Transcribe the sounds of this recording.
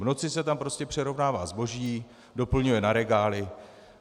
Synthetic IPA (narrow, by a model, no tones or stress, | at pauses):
vno̞t͡sɪsɛt̪ampɾo̞scɛpr̝̥ɛɾo̞vnaːva̰ːzbo̞ʒiː | do̞pl̩ɲujɛnaɾɛɡaːlɪ